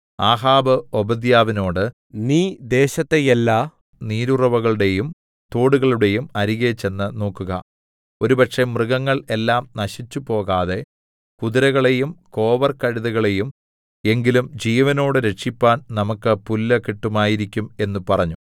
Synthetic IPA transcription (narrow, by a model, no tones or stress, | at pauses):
aːɦaːbɐobɐd̪jaːʋino̞ːɽɨ | niːd̪eːɕɐt̪ːejelːa | niːɾurɐʋɐɣɐɭuɽe̞jum | t̪oːɽuɣɐɭuɽe̞jumɐɾiɣet͡ɕːe̞nːɨno̞ːkːuɣɐ̰ | o̞ɾupɐʈʂe̞mrɨɣɐŋːɐɭe̞lːaːmnɐɕit͡ɕːupo̞ːɣaːðe̞ | kuðiɾɐɣɐɭe̞jumko̞ːʋɐrkɐɻiðɐɣɐɭe̞jum | e̞ŋɡilumd͡ʑiːʋɐno̞ːɽɨɾe̞ʈʂipːaːnnɐmukːɨpulːɐkiʈːumaːjiɾikʲːume̞nːupɐrɐɲːu